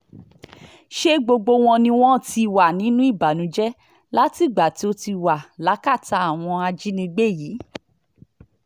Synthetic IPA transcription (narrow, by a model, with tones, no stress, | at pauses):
ʃe˦ɡ͡bo˧ɡ͡bo˧w̃ɔ̃˧nĩ˧w̃ɔ̃˦˨ti˧˨wa˨nĩ˨˦nũ˦i˦˨ba˨nũ˨˦d͡ʒɛ˦ | la˦ti˦˨ɡ͡ba˨ti˨˦o˧ti˧wa˨la˨˦ka˦˨ta˨˧a˦˨w̃ɔ̃˧a˧d͡ʒi˦nĩ˧ɡ͡be˦˨ji˨˦